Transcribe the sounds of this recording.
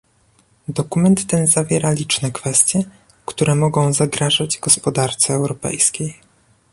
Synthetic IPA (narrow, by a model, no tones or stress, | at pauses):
d̪ɔkumɛnt̪ːɛnzavʲjɛɾalʲit͡ʂnɛkfɛst̪ʲjɛ | kt̪uɾɛmɔɡɔ̃w̃zaɡɾaʐad͡ʑɡɔspɔd̪aɾt̪sɛːwɾɔpɛ̰jskʲej